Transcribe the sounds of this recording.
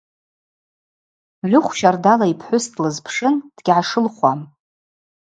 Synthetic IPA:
ʕʷʊχʷʃardalaipʰħʷʊstʰlɨzpʰʂɨnd̥ɡʲʕaʂɨlχʷam

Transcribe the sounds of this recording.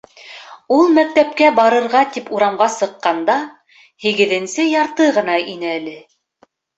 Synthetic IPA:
ulˠmæk̚t̪æpkæbɑɾɤ̆ɾʁɑt̪ipuɾɑmʁɑsɤ̆qːɑnd̪ɑ | hiɡɘ̆ðɘ̆nsɘjɑɾt̪ɤʁɤ̆nɑinæɘælɘ

